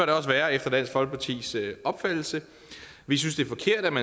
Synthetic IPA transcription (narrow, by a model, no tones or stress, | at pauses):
æɾeɒ̽sʋæːɐefd̥ɐd̥æn̰sfɒ̽lɡ̥̚pʰɑ̈t͡sʰḭːsʔɒ̽b̥fæd̥l̩sə | ʋis̬ynsd̥e̝ɐfɒ̽kʰe̝ɐ̰d̥æmæ